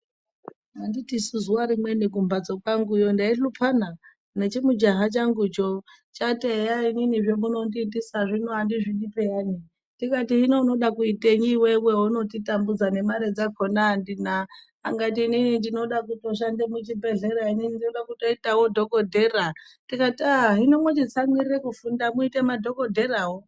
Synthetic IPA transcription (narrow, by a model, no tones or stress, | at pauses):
anditisuzuwaɾimwe̞niɡʱumbad͡zokwaŋɡujo̞ndaiɬupʰana | net͡ʃimud͡ʒaɦat͡ʃaŋɡut͡ʃo | t͡ʃatejaininiʐemuno̞ndiːndisaʐinoandiʐiɗipejani | tikatiɦinono̞ɗakuiteɲiweweuno̞titambud͡zane̞maɾed͡zakʰonaːndina | a̰ŋɡatiːninindino̞ɗakuto̞ʃ̬andemut͡ʃibʱe̞ɮe̞ɾaininindinoɗakuto̞itawodʱo̞ko̞dʱe̞ratikataɦinomot͡ʃit͡samirekufundamuitemadʱo̞kodʱe̞rawo